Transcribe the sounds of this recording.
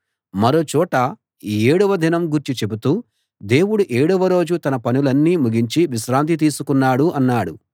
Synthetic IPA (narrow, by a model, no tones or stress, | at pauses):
mɐɾo̞ːt͡ʃɔːʈɐ | iːeːɽuʋɐd̪ʱinɐmɡuɾt͡ʃit͡ʃe̞but̪uː | d̪e̞ːwuɽuʔeːɽuʋɐɾo̞ːd͡ʒut̪ɐnɐpɐnulɐnːiːmuɡiɲt͡ʃiʋiʃɾaːnt̪̬it̪̬iːsukunːaːɽuɐnːaːɽu